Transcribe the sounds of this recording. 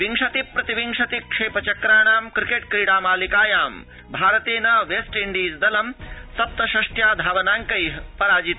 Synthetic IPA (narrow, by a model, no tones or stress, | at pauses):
ʋiŋʂɐt̪ipːɾɐt̪iʋiŋʂɐt̪ikʂeːpɐt͡ʃɐkɾaːɳaːmkɾikeʈ̚kɾiːɽaːmaːlikaːjaːm | bʱaːɾɐt̪eːnɐʋesʈiɳɖiːzd̪ɐlɐmsɐp̚t̪ɐʃɐʂʈjaːd̪ʱaːʋɐnaːŋkɐjɦpɐɾaːd͡ʒit̪